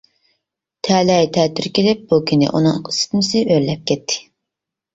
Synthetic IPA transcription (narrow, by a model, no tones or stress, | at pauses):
t̪ʰɛlɛjt̪ʰɛt̪ʰyɾkʲelɪp̚bukʲʰinɪ̰ʔṵnɨŋqi̥sɪ̥t̪mɪsɪøɾlɛp̚kʲʰɛt̪ʰːɪ̥